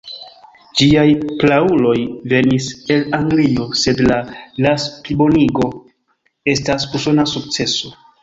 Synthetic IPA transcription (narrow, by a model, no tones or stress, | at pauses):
d͡ʒiajplaulo̞jve̞nise̞laŋɡlio̞se̞dlalasplibo̞niɡo̞ | e̞stasuso̞nasukt͡se̞so̞